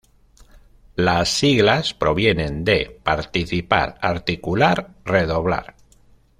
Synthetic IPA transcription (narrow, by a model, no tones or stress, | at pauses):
lasːiɣlaspɾo̞βje̞nẽ̞nd̪e̞paɾt̪iθipa̰ɾaɾt̪ikulaɾre̞ðo̞βla̰ɾ